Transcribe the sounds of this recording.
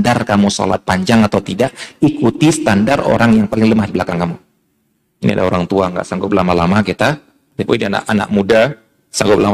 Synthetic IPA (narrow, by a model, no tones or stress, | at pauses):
darkamuso̰la̰t̪̚paɲd͡ʒaŋat̪awt̪idaʔikut̪isə̥t̪andaro̰ɾaŋjaŋpalɪŋləmahdiblakaŋkamu | nḭa̰da̰oɾaŋt̪uaŋɡa̰ʔsaŋɡʊp̚lamalamakit̪a | d̪ipoidiana̰ʔana̰k̚muda | saŋɡʊp̚lam